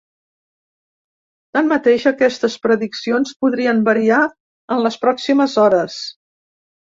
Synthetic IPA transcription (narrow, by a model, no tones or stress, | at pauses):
t̪anmət̪eʃəkɛst̪əspɾəðiksionspuðɾiəmbəɾia | ənləspɾɔksiməzɔɾəs